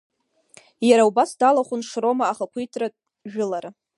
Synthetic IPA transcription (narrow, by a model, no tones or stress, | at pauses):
jaɾaubasdalaχʷʊnʂro̞maːχakʷʰijtʰra | ʒᶣʊlaɾa